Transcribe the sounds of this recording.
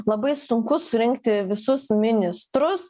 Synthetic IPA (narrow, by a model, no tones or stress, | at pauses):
lˠɐbɐɪsʊŋkʊsʊɾʲɪŋkt̪ʲɪʋʲɪsʊsmʲɪnʲɪst̪ɾʊs